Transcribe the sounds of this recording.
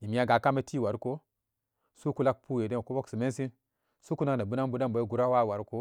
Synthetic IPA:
i˨mi˦ja˦ɡa˨ka˦me˦ti˦wa˨ɾko˦ | su˦ku˦la˦k̚pu˦je˨de˦˨ko˦wo˦ksi˨me˦n˦si˦n | su˦ku˦na˦kna˨bu˦na˦nbu˦da˦mbo˨˦ɡu˨ɾa˦wa˦˨wa˨ɾko˦

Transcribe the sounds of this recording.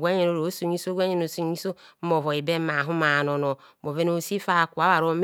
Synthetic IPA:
ɡʷa˦ɲe˨no˨ɾo˨˦su˨ɲ˦i˦so˦ɡʷa˦ɲe˦no˨˦su˦˨ɲi˦so˦mo˨vo˨i˨be˦m˦ma˨ɦu˦ma˨no˨no˨˦mo˨ve˦no˨si˦fa˦˨ku˨a˨˦wa˨ɾo˦m

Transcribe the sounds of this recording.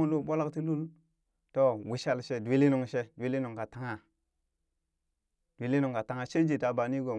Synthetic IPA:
u˦˨lu˦ɓo˦la˦kti˦lu˦l | to˦wi˨ʃa˦lʃe˦di˦li˦nu˨ŋʃe˦di˦li˦nu˨ŋka˨ta˨ŋa˨ | d̥ʷi˦li˦nu˨ŋka˨ta˨ŋa˨ʃe˦d͡ʒi˨ta˨ba˨ni˦ɡo˨

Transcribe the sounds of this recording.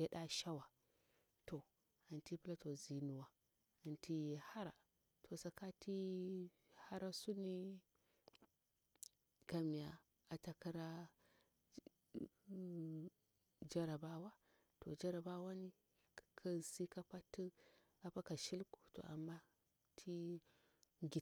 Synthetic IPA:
ja˦ɗa˦ʃa˦wa˨ | to˨ | a˨nti˦pi˦la˦to˨zi˨nu˨wa˨ | a˨ntʰi˦je˨ha˦ɾa̰˨ | tʰo˨sa˨ka˦ti˦ | ha˦ɾa˦su˦ni˦ | ka˨mi˨ja̰˨ | a˨ta˨ki˦ɾa˦ | d͡ʒa˦ɾa˨ba˦wa˦ | to̰˨d͡ʒa˦ɾa˨ba˦wa˦ni˦ | kʰa˦si˦ka˦pa˦tːi˦ | a˨pa˦ka˨ʃi˦lku̥˨to̰˨ʔa̰˨mːa˦ | tʰi˦ | ɡi˨

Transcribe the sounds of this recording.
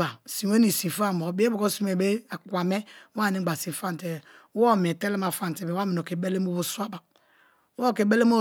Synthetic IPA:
a˨si˨we˦ni˨sĩ˨fa˦˨mo˨˦be˦bo˨ko˦si˦me˨be˦a˨kwa˨me˦wa˦˨ni˦ɡ͡ba˨sĩ˨fa˦n˨te˨˦ | o˦˨me˨te˦le˦ma˨fa˦˨n˨te˨be˨wa˦mi˨o˨ke˨be˦le˦m˦o˦bo˦su˦a˦ba˨˦ | o˦˨ke˨be˦le˦mo˦

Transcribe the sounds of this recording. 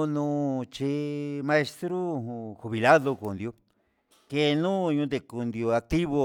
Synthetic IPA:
nũ˦t͡ʃi˧mã˧e˧st̪ɾu˦xu˧βi˨la˦ðo˧ko˨nd̪jo˧ | ke˧nũ˦˧ɲũ˧d̪ẽ˧ku˧nd̪jo˧a˧k̚t̪i˦βo˧

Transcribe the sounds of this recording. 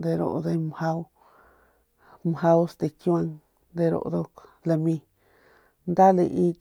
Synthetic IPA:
d̪e˧ɾo̰˨ʔðe˧m˨ha˦ | m˨ha˧˦o˦st̪e˧kju˦ã˦˧ŋ | nd̪e˧ɾo̰˧ʔd̪o˧la˧mĩ˧ | nd̪a˦le˧ʔi˦

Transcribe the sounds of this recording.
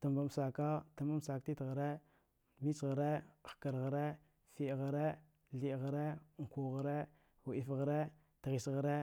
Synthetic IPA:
ta˨mba˨m˨sa˨ka˦ta˨ma˦m˦sa˨kti˦tɣa˨ɾe˦ | mi˦t͡ʃɣa˨ɾe˦˨xka˨ɾɣa˨ɾe˦ | fi˨ɣa˨ɾe˦ | ɮi˨ɣa˨ɾe˦˨ŋ̩˨ku˨ɣa˨ɾe˦ | wu˨i˨fɣa˨ɾe˦ | tɣi˨sɣa˨ɾe˦

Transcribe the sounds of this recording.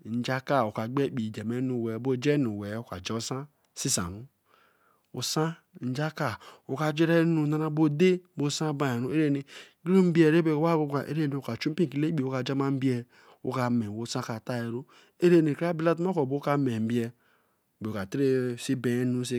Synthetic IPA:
n̩˨d͡ʒa˦ka˦˨o˨ka˨ɡ͡be˦k͡pi˨d͡ʒa˨me˦nu˨we˨˦bo˦d͡ʒe˦nu˨we˨˦o˦ka̰˨d͡ʒɛ˦sã˦ | si˦sa̰˨ɾu˦ | u˨sã˦ | n̩˦d͡ʒa˦ka˦o˨ka˨d͡ʒe˦ɾe˦nu˨na˦ɾa˦bo˦de˦bo˦sã˦ba˦˨e˨ɾu˦e˦ɾe˦ne˨˦ | ɡi˦o˦m̩˦bi˦e˦˨ɾe˦be˦˨o˦wa˦ɡo˦ka˨ʔe˦ɾe˦ne˨o˨ka˨t͡ʃu˦m̩˦pi˦˨ki˨le˦k͡pi˨o˦ka˨d͡ʒa˦ma˦m̩˦bi˦ɛ˦ | o̰˦ka˨me˨wo˦sã˦ka˨ta˦je˨ɾo˦ | e˦ɾe˦˨ne˨ka˦bi˦la˦tm˦o˦ko˨bo˦ka˦me˨m̩˨˦bi˦ɛ˦˨ | be˨ka˨tɾe˦si˦be˨˦nu˦s̬i˦

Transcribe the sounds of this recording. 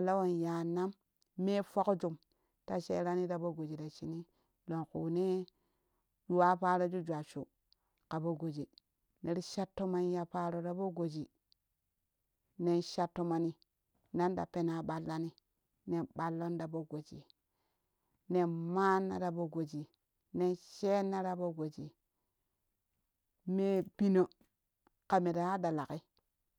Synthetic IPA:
a˨lːa˦wo˨nja˨na˦mː | e˦fo˦kd͡ʒu˨m | ta˨ʃḛ˦ɾa˦ni˦da˨bo˦ɡo˨d͡ʒi˨da˨t͡ʃi˨ni˦ | lo˨ŋkṵ˨ne˦ | ju˨wa˦pa˦ɾo˦d͡ʒu˦d͡ʒʷa˨t͡ʃu˨ | ka˨bo˦ɡo˨d͡ʒi˨ | ne˨ɾi˦ʃa˦tːo˦ma˦n˦ja˨pa˦ɾo˨da˨bo˦ɡo˨d͡ʒi˨ | ne˨nʃa˦tːo˦ma˨ni˦ | na˦nda̰˨pe˨na˨ɓa˨lːa˦ni˦ | ne˨ɓa˦lːo˦nda˨bo˦ɡo˨d͡ʒḭ˨ | ne˨ma˦nːa̰˨ɾa˨bo˦ɡo˨d͡ʒi˨ | ne˦nʃe˦nːa˦ɾa˨bo˦ɡo˨d͡ʒi˨ | me˦bi˦no˨ | ka˨mi˨ɾa˨ha˦da˨la˨ki˦

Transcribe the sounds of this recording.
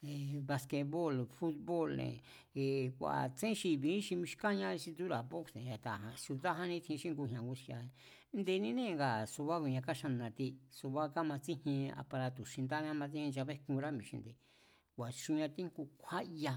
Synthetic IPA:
e˨βa˧ske˧βo˦˨lfu˦t̪̚βo˦˨lnḛ̃˨ | kʷa̰˨t͡sẽ˦ʃi˧βĩ˨˦ʃi˧mĩ˧ʃi̥˧ka˦ɲã˧˦˧ʃĩ˧d̪u˦ɾa˨po˦ksẽ˨a˨t̪a˨ɦã˨˧su˧ða˦ɦã˦nĩ˦t̪ʰĩ˧ʃĩ˦ŋɡu˧ɲã˨ɡu˧ʃi˧a˧e˧ | nd̪e˧nĩ˧nẽ˦˧ŋɡa˨su˧βa˦ku˧ɲã˧ka˦ʃa˧nã˧t̪i˧su˧βa˦ka˦mã˧t͡sĩ˦hĩ˧a̰˧pa˧ɾa˧t̪u˨ʃĩ˧nd̪a˦ɲã˦˧mã˧t͡sĩ˦hĩ˧d͡ʒa˧βe˦kũ˧ɾa˦mĩ˧ʃḭ̃˧nd̪e˧˨ | kʷa˨ʃũ˧ɲã˧t̪ĩ˦ŋku˧kʷʰa˦ʔja˧

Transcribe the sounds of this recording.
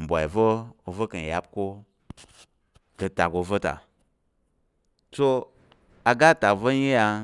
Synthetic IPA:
m̩˨bʷa̰˨vo˦o˧və˦kə˨n˨ja˦p̚ko˦ | kə˧ta˨ko˧və˦ta̰˨ | so˦ | a˨ɡa˦ta˨vo˦ɲi˦ja˧

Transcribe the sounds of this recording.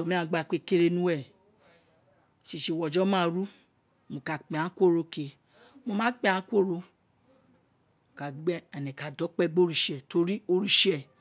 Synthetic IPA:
tɔ˨mĩ˨˦ã˦˧˦ɡ͡ba˧k͡pe˧ke˧ɾe˧nũ˦wɛ˦˨ | ʃi˧˨ʃi˧˨wɔ˨d͡ʒɔ˦mãː˦˨ɾu˦ | mõ˨ka˨k͡pẽ˨ã˨˦kʷo˦˨ɾo˧ke˧ | mõ˧mã˦k͡pẽ˦ã˨˦kʷo˦˨ɾo˧ | mo˨ka˨˦ɡ͡bɛ˦ɛ˨nɛ̃˨ka˨dɔ˨˦k͡pɛ˦ɡ͡bo˦ɾi˨ʃɛ˨to˧ɾi˦o˧ɾi˦˧ʃɛ˦˨

